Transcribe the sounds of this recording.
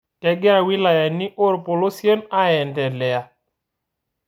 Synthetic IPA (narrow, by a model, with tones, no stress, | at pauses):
tɛ˨ɡa˦˨wɪ˦la˨ja˨nɪ˦ʔo˦ɾpʊ˨lo˦sje˦na˦ɛ˨ndɛ˨lɛ˨a˨